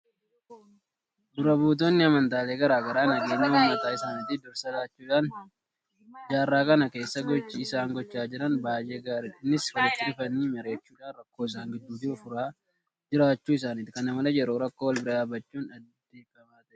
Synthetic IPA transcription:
d̪ʊɾɐbuːt̪̬o̞ːnːɪɐmɐnt̪aːleːɡɐɾaːɡɐɾaːnɐɡeːɲːɐwɔmːɐt̪aːɪsaːnɪt̪ːɪd̪ʊɾsɐlaːt͡ʃːuːᶑaːn | d͡ʒaːrːaːkɐnɐke̞ːsːɐɡɔt͡ʃːɪɪsaːŋɡɔt͡ʃːaːd͡ʒɪɾɐnbaːje̞ːɡaːɾɪᶑɪnːɪswɔlt̪ːɪᶑɪfɐniːmɐɾe̞ːt͡ʃːuːᶑaːnrɐkːo̞ːɪs̬aːŋɡɪd̪ːuːd̪ɪʊfʊɾaː | d͡ʒɪɾaːt͡ʃːuːɪs̬aːnɪt̪kɐnɐmɐlɐjɛɾoːɾɐkːo̞ːwɐlbɪɾɐᶑaːbɐt͡ʃːuːnɐd̪d̪e̞ːfɐmaːt̪ɐʔɛ̥

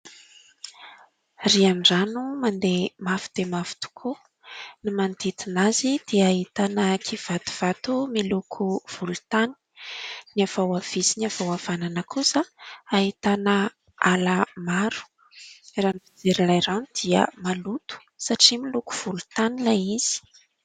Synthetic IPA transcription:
rianɖ͡ʐanumand̪emafid̪̥emafi̥t̪u̥kʰu | nimand̪it̪inazid̪̥iaɦit̪anəkʰiv̥at̪u̥v̥at̪umilukʰuv̥ulu̥t̪ani̥niavawav̥isiniav̥awav̥ananəkusəaɦit̪anə | alamaɾu̥ | ranbid͡zeɾilajranud̪̥iə̰malut̪u̥ | saʈ͡ʂimiluku̥v̥ulut̪anilajiz̥i̥

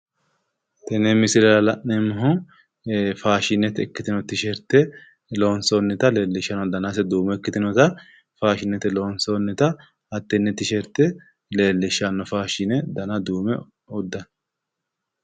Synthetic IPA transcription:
t̪ɛnɛmɪsɪɾɛlɐlɐʔnɛmɐɦɔ | faːʃɪnːɛt̪ɛkːɪt̪ɪnɔt̪ɪʃɛɾt̪ɛ | loːnsonːɛt̪ɐleːlːɪʃːɐnɔd̪ɐnasɛd̪uːmɛkːɪt̪ɪnɔt̪ɐ | faːʃɪnːɛt̪ɛloːnsonːɛt̪ɐ | ɐt̪ːɛnːɛt̪ɪʃɛɾt̪ːɛ | le̞ːlːɪʃɐnːɔfaːʃɪnɛd̪ɐnɐd̪uːmɛ | ɔd̪ːɐn

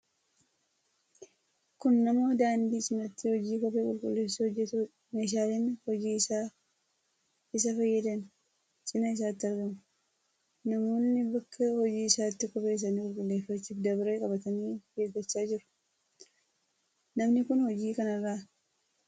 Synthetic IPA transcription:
kʊnːɐmo̞ːd̪aːnd̪iːt͡ʃʼɪnɐt̪ːɪhɔd͡ʒiːkɔbeːkʼʊlkʼʊ̰lːe̞ːshɔd͡ʒːɛt̪u | meːʃ̬aːlɛnhɔd͡ʒiːsaː | ɪs̬ɐfɐjːɐd̪ɛn | t͡ʃʼɪnɐɪs̬aːt̪ːɪɐɾɡɐmʊ | nɐmo̞ːnːɪbɐkʰːɐhɔd͡ʒiːɪsaːt̪ːɪkɔbe̞ːs̬ɐnikʼʊlkʼʊlːe̞ːfːɐt͡ʃːufd̪ɐbɾeːkʼɐbɐt̪ɐniːɡeːɡɐt͡ʃːaːd͡ʒɪɾʊ̥ | nɐmnɪkʊnhɔd͡ʒiːkɐnɐrːaː

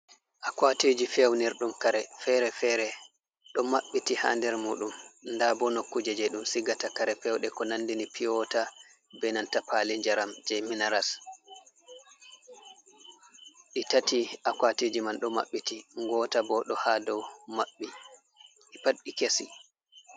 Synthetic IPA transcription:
ʔakwatid͡ʒifewniɾɗumkaɾɛfɛɾɛfɛɾɛ | ɗɔmaɓːitiha̰ːndɛɾmuːɗumndabɔnokːud͡ʒɛd͡ʒɛɗumsiɡatakaɾɛfɛwɗɛkɔnandinipʰijɔta | bɛnantapaliɲd͡ʒaɾamd͡ʒɛminaɾas | ɗitatiʔakwatid͡ʒimanɗɔma̰ɓːitiŋɡɔːtabɔɗɔhadɔwmaɓːi | ɗipaɗikesi

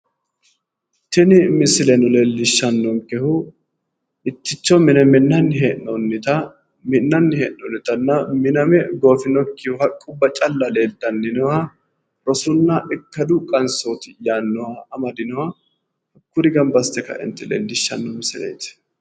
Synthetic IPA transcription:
t̪ːɪnɪmɪsɪlɛnʊleːlːɪʃːɐnːɔŋkɛhʊ | ɪt̪ːɪt͡ʃːɔmɪnɛmɪnːɐnːɪɦeːʔnɔnːɪt̪ɐ | mɪnːɐnːɪheːʔnːɔnːɪt̪ɐnːɐmɪnɐmɛɡo̞ːfɪnɔkːɪhʊhɐkʼːʊbːɐt͡ʃʼɐlːɐle̞ːlt̪ːɐnːɪnɔwɐ | ɾɔsʊnːɐʔɪkːɐd̪ʊkʼɐnsot̪ɪjaːnːɔwɐɐmɐd̪ɪnɔwɐ | hɐkːʊɾɪɡɐmbɐst̪ɛkɐ̰ʔɪ̰nt̪ːɪlḛːlːɪʃːɐ̰nːɔmɪsɪlɛ̰jt̪

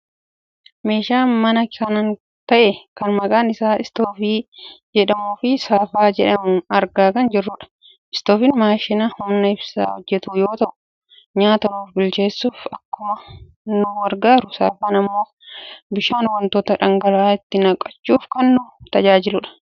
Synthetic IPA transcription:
me̞ːʃaːmɐnɐkɐnɐn | t̪ɐʔɛkɐnmɐkʼaːnɪsaːɪst̪oːfiːd͡ʒɛᶑɐmuːfɪsaːfaːd͡ʒɛᶑɐmʊɐɾɡaːkɐnd͡ʒɛrːʊᶑɐ̥ | ʔɪst̪o̞ːfɪnmaːʃɪnɐhʊnːɐɪbsa̰ːhɔd͡ʒːɛt̪ʊjo̞ːt̪ɐʔʊ̥ | ɲaːt̪ɐnuːfbɪlt͡ʃe̞ːsːuːfɐkːʊmɐ | nʊwɐɾɡaːɾʊsa̰ːfaːnɐmːo̞ː | bɪʃaːnwɐnt̪oːt̪ɐᶑɐŋɡɐɾaːɪt̪ːɪnɐkʼːɐt͡ʃːuːfkɐnːʊt̪ɐd͡ʒaːd͡ʒɪlʊᶑɐ̥

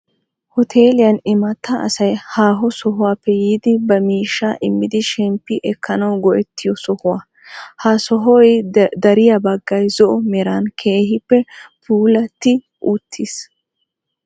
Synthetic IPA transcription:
hɔt̪ʰeːlɪjɐnɪmɐt̪ːɐɐ̰sɐjhaːɦɔsɔɦʊwaːpːɛjiːd̪ɪbɐmiːʃːaʔɪmːɪd̪ɪʃɛmpːɪʔɛkːɐnɐwɡɔʔɛt̪ʰːɪjɔsɔhʊwa | hasɔɦɔjd̪ɐɾɪjɐbɐɡːɐjzɔʔɔmɛɾaːnkʰe̞ːhɪpːɛpuːlɐt̪ːɪ | ʔut̪ʰːis

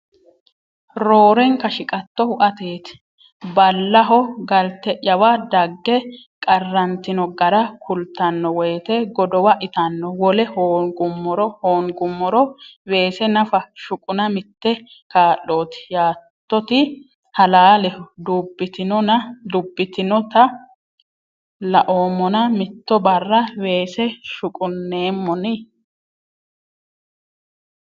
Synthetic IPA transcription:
ɾo̞ːɾɛŋkːɐʃɪkʼɐt̪ːɔhʊʔɐt̪e̞ːt̪ɪ̥ | bɐlːɐɦɔɡɐlt̪ɛʔɐwad̪ɐɡːɛ | kʼɐrːɐnt̪ɪnɔɡɐɾɐkʰʊlt̪ːɐnːɔwɔjt̪ɛɡɔd̪ɔwɐʔɪt̪ɐnːɔwɔlɛhoːɡʊmːɔɾɔhoːŋɡʊmːɔɾɔwe̞ːsɛnɐfɐʃʊkʼʊnɐmɪt̪ːɛ | kaːʔːo̞ːt̪ɪ̥jaːtt̪ːɔt̪ɪ | hɐlaːlɛd̪ubːɪt̪ɪnɔnɐd̪ʊbːɪt̪ɪnɔt̪ɐ | lɐʔo̞ːmːɔnɐmɪt̪ːɔbɐrːɐwe̞ːsɛʃʊkʼʊnːe̞ːmːɔnɪ

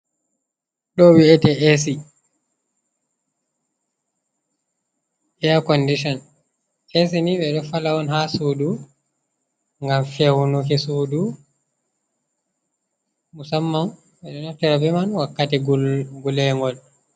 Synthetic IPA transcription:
ɗɔwiɛtɛʔesi | ʔɛakɔndiʃɔn | es̬iniɓɛɗɔfalawɔnhasuːdu | ŋɡamfɛwunukɛsudu | musamːam | ɓɛɗɔnɔftːɛɾabɛmanwakːatɛɡɡulɛŋɡɔl

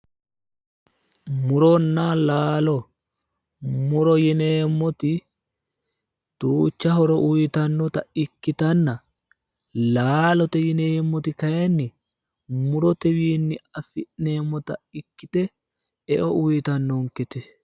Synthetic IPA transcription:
mʊɾɔnːalaːlɔ | mʊɾɔjɪneːmːɔt̪ɪ | t̪uːt͡ʃːɐɦɔɾɔʔʊjt̪ɐnːɔt̪ɐɪkːɪt̪ɐnːɐ | laːlɔt̪ɛjɪneːmːɔt̪ɪkɐjɛnːɪ | mʊɾɔt̪ɛwiːnːɪɐfɪʔneːmːɔt̪ɐɪkːɪt̪ɛ | ɛʔɔʔʊjɪt̪ɐnːɔŋkɛt̪ɛ

